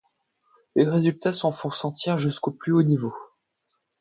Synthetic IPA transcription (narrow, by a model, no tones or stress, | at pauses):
leʁezylt̪asɔ̃fɔ̃sɑ̃t̪iʁʒyskoplyonivo